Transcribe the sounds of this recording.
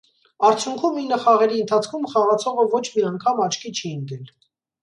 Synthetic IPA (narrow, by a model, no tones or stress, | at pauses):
ɑɾt͡sʰjuŋkʰuminəχɑʁɛɾiənt̪ʰɑt͡sʰkʰumχɑʁɑt͡sʰɔʁəvɔt͡ʃʰmiɑŋkʰɑmɑt͡ʃʰkʰit͡ʃʰind̪ɛl